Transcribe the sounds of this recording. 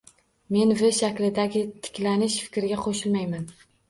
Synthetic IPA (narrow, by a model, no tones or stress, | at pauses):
me̞nvɪʃakʲlɪd̪aɡʲɪt̪ʰɪ̥kʲlanɪʃfɪ̥kʲɾɪɡʲaqʰoʃɪlmajman